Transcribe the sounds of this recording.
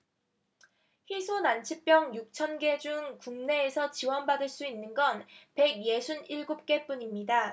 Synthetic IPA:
ɸisʰonant͡ɕʰip͈jʌŋjuk̚t͡ɕʰʌnɡe̞d͡ʑuŋkuŋne̞ːsʰʌt͡ɕiwʌnbadɯɭs͈uinːɯnɡʌnpe̞ɡ̚je̞sʰuniɭɡup̚k͈e̞p͈uɲimɲida

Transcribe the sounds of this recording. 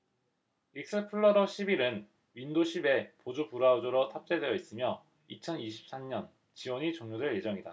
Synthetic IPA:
ik̚s͈ɯpʰɯɭːʌɾʌɕʰibiɾɯn | ɥindoɕʰibe̞pod͡ʑopuɾaud͡ʑoɾʌtʰap̚t͡ɕ͈edwe̞jʌis͈ɯmjʌ | it͡ɕʰʌniɕʰi̥p̚s͈amɲʌn | t͡ɕiwʌɲit͡ɕʌŋɲodwe̞ɭje̞d͡ʑʌŋida

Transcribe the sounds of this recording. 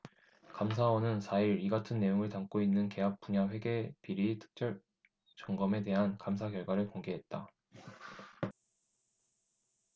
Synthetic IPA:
kams̬ʰawʌnɯnsʰaiɾiɡatʰɯnːe̞joŋɯɭtaŋk͈oinːɯnke̞ɦap̚p͈uɲaɸwe̞ɡe̞piɾitʰɯ̥k̚t͡ɕ͈jʌɭ | t͡ɕʌŋɡʌme̞te̞ɦankams̬ʰakjʌɭɡwaɾɯɭkoŋɡe̞ɦet̚t͈a

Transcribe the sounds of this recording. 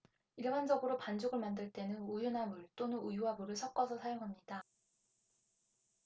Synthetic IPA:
iɭband͡ʑʌɡɯɾopand͡ʑoɡɯɭmandɯɭt͈e̞nɯnujunamuɭt͈onɯujuɦabuɾɯɭsʰʌk͈ʌsʰʌsʰajoŋɦamɲida

